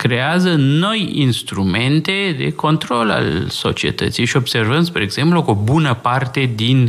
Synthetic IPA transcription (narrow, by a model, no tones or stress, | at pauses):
kɾe̞azəno̞jḭnst̪ɾume̞nt̪e̞d̪e̞̰ko̞nt̪ɾo̞la̰lso̞̰t͡ʃie̞̰t̪ə̰t̪sijʃio̞bservənd̪spɾeɡz̥e̞mplukobunəpart̪e̞d̪in